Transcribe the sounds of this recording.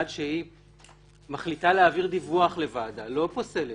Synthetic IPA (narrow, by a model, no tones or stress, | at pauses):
adʃei | maχlitaleaːviʁd̪ivuaχle̞vadalo̞po̞se̞le